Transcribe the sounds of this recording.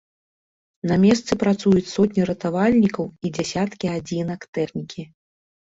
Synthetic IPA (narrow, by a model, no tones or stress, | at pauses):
namʲɛst̪sɨpɾat̪sujut͡sʲsɔt̪ʲnʲiɾɐt̪avalʲnʲikɐwid͡zʲasʲat̪kʲiad͡zʲinɐkt̪ɛxnʲikʲʰi